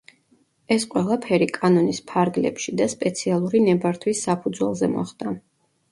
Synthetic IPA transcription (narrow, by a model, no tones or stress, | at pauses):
ɛsqʼwɛlˠapʰɛɾikʼanɔnispʰaɾɡlɛ̰pʃid̪aspʼɛt̪sʰialˠuɾinɛbaɾt̪ʰwisːapʰud̪zwɛ̰lˠzɛmɔ̰χd̪̥a